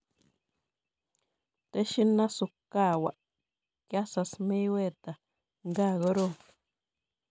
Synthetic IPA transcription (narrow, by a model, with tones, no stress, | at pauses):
t̪e˦ʃi˦nã˦su˧ka˦˨wa̰˨ | kja˦sa˧smĩ˦we˦˨t̪a˨ | ŋɡa˦˨ɣo˦ɾo˦˨